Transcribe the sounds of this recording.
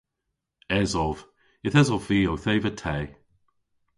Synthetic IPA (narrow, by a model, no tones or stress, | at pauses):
ɛzɔv | ɪθɛzɔvviːowθeːvətʰɛː